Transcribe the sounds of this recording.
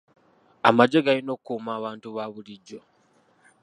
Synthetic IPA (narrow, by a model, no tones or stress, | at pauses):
amaɟeɡalino̞ːkumaːβaːntuβaːβuliɟːo̞